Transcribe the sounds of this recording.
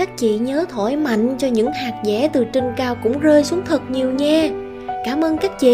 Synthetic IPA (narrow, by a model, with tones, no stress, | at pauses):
aː˦˥k̚t͡ɕḭ˧˨ɲəː˨˦t̪ʰo˧˩jma̰˧˨jŋ̟t͡ɕɔ˧ɲɨ̰˧˥ŋhaː˨˩k̚zɛ̰˧˩˦t̪ɨ˨˩t͡ɕï˧ŋ̟kaː˧wkʊ̰˧˥ŋ͡mzəː˧jsu˨˦ŋ͡mt̪ʰə˨˩t̚ɲi˨˩əwɲaː˧ | kaː˧˩mʔəː˧nkaː˦˥k̚t͡ɕḭ˧˨